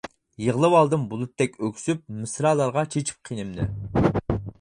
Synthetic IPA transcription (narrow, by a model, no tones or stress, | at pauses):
jəʁlˠɨwɑlˠd̪ɨmbulˠut̪ːɛkʲøkʲsyp̚mɨsɾɑːlˠɑɾʁɑt͡ʃʰet͡ʃʰi̥p̚qʰinɨmnɨ̰